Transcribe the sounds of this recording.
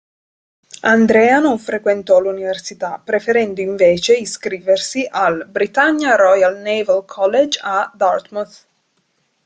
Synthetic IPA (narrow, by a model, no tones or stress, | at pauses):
and̪ɾɛːanoɱfɾekwent̪ɔluniversit̪apːɾefeɾɛnd̪oiɱveːt͡ʃeiskɾiːversiʔalbɾit̪aɲːaɾɔjalnevɛlkʰɔlːed͡ʒad̪art̪mus